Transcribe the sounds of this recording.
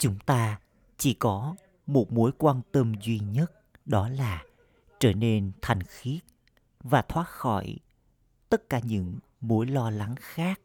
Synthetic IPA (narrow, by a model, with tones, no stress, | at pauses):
t͡ɕʊ˨˦ŋ͡mt̪aː˧ | t͡ɕi˧˩kɔ˨˦ | mo˨˩t̚mo˨˦jkwaː˧nt̪ə˧mzwi˧ɲə˦˥t̚ | ɗɔ˨˦laː˨˩ | t͡ɕəː˧˩ne˧nt̪ʰɛ˨˩jŋ̟xi˦˥ət̚ | vaː˨˩t̪ʰwaː˦˥t̚xɔ˧˩j | t̪ə˦˥t̚kaː˧˩ɲɨ̰˧˥ŋ | mo˨˦jlɔ˧la˨˦ŋxaː˦˥k̚